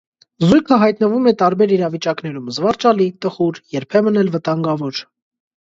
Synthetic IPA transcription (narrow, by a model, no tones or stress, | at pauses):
zujkʰəɦɑjt̪nəvumɛt̪ɑɾbɛɾiɾɑvit͡ʃɑknɛɾumzvɑɾt͡ʃɑlit̪əχuɾjɛɾpʰɛmənɛlvət̪ɑŋɡɑvɔɾ